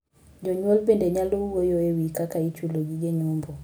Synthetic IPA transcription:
ɟɔɲolbendɛɲalouɡojoewikakait͡ʃuloɟiɟeɲumbo

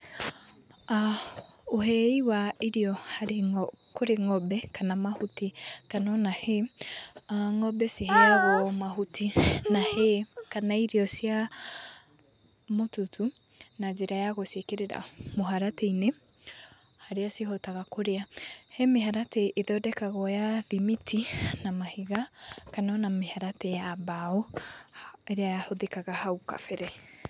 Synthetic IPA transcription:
a | oɦɛiwaeɾiɔhaɾekoɾeŋɔbɛkanamahutikanɔnahe | aŋɔbɛseɦɛaɣwɔmaɦutʰinahekanaiɾeɔsia | motutʰu | nad͡ʒeɾajaɣosekeɾeɾa̰moaɾatɛine | haɾeaseɦotaɣakoɾeahemeɦaɾateʔeðɔdɛkaɣɔjaðimitʰinamahiɣakanɔnamehaɾatɛjabaɔ | eɾeahoðekaɣahauka̰fɛɾɛ

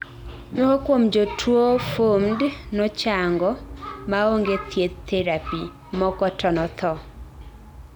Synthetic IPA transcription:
nookwomd͡ʒotʰwofomdnɔt͡ʃaŋɡɔmaoŋɡet̪ʰjet̪ːɛɾapi | mɔkɔtʰɔnɔt̪ʰɔ

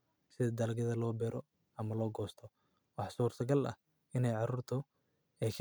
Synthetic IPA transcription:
sɪðɐd̪ɐlɡɐðɐlɔːbɛɾʔɔ | ɐmɐlɔːɡɔːst̪ʰɔ | wɑħsuːrsʰɐɡɐlɐ̰h | ɪnɛjʕɑɾuːrt̪ʰɔ | ɛːkʰ

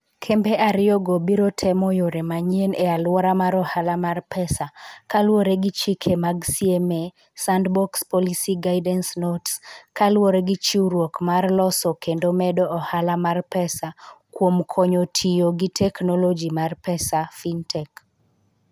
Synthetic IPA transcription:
kʰɛmbɛʔaɾɪɔɡobiɾotʰɛmɔjoɾemaɲienealwɔɾamaɾɔhalamarpʰɛsakalwoɾeɡit͡ʃikʰemaɡsieme | sandbɔkspɔlisiɡaɪdɛnsnotskalwoɾeɡɪt͡ʃiuɾwokmarlɔsɔkendomɛdɔʔɔhalamarpɛsakwomkʰɔɲotʰijoɡitʰɛknɔlɔd͡ʒimarpɛsafintʰɛk

